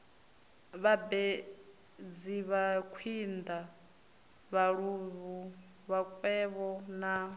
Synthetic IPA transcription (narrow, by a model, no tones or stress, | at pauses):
βabɛ | d͡ziβakʰind̪a | βaɺuβu | βakʼwɛβɔna